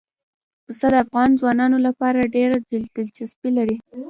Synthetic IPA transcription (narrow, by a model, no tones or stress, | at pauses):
pust̪ad̪əafɣɑnzwɑnɑnolapɑɾaɖeɾad̪ɪld̪ɪlt͡ʃɪspilaɾi